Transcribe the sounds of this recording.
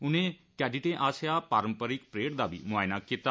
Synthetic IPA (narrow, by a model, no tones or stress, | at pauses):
ʊnẽːkɛːɖiʈẽːʔaːsɪjaːpaːɾəmpəɾɪk̚pɾeːʈd̪aːbḭːmʊaːɪnaːkiːt̪aː